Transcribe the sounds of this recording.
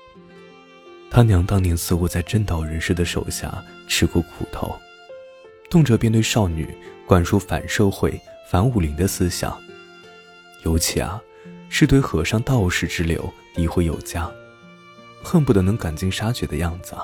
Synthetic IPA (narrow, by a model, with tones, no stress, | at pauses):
t̪ʰa˥njɑ˧˥ŋt̪ɑ˥ŋnjɛ˧˥nsɹ̩˥˧xu˧˥t͡sa˥˧ɪʈ͡ʂə˥˩nt̪ɑ˥˩ʊɻə˧˥nʂ̩˥d̪ə˨ʂo̰˨˩ʊɕja̰˥˩ | ʈ͡ʂʰɻ̩˥kwɔ˥˩kʰṵ˨˩t̪ʰo̰˧˥ʊ | t̪ʊ˥˩ŋʈ͡ʂɤ˨˩pjɛ˥˧nt̪we˥˧ɪʂɑ˥˩ʊny̰˨˩˦kwa˨˩nʈ͡ʂʰu˥˩fa̰˨˩nʂo˥˧ʊxwe˥˩ɪfa˧˥nu˨˩li˧˥ŋd̪ə˧sɹ̩˥ɕjɑ̰˨˩˦ŋ | jo˧˥ʊt͡ɕʰḭ˧˥a̰˧˩ | ʂɻ̩˥˧t̪we˥˧ɪxɤ˧˥˩ʂɑ˥˧ŋt̪ɑ˥˧ʊʂɻ̩˥˩ʈ͡ʂɻ̩˥ljo̰˧˥ʊt̪i˧˥xwe˥ɪjo˨˩ʊt͡ɕja˥ | xə˥˧npu˥˩d̪ə˧˥nɤ˧˥ŋka˨˩nt͡ɕi˥ŋʂa˥t͡ɕɥɛ˧˥d̪ə̰˦˧jɑ˥˩ŋd͡zɹ̩˨